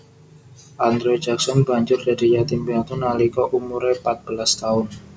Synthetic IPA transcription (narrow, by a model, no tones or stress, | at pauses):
ʔand̪ɾɔid͡ʒaksɔnbaɲt͡ʃʊrdadijat̪imbiat̪ʊnalikɔʔumuɾɛpat̪̚b̥əlast̪aʊn